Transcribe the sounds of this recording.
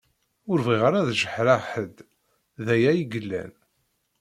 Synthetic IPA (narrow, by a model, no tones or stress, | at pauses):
ʊɾviʁəɾæðʒəħɾaħəd̪ | ðæjæjiɡəlːæ̰n